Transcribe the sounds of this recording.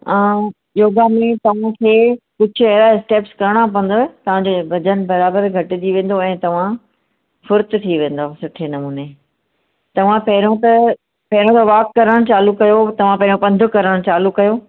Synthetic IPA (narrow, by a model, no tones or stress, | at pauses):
ã | joːɡamẽt̪ɐʋ̤ãkʰeːkʊd͡ʑʱʊɐɦɪɾaɪsʈeːpskɐɾəɽ̃ãp̬ɐ̃n̆d̪ot̪ɐʋ̤ãɲd͡ʑobʱɐd͡ʑən̆bɐɾaːbəɾɡʱɐʈɪd͡ʑiʋẽːn̆d̪oɛ̃ːt̪ɐʋ̤ã | fʊɾt̪t̪ʰiʋẽːn̆d̪osʊʈʰenɐmuːne | t̪ɐʋ̤ãpɐɦɪɾõt̪ɐ | pɐɦɪɾõt̪ʰɐʋaːkːɐɾəɽ̃t͡ɕaːlukɐjot̪ɐʋ̤ãpɐ̃ɦɪjõpɐ̃nd̪ʱʊkɐɾəɽ̃t͡ɕaːlukɐjoː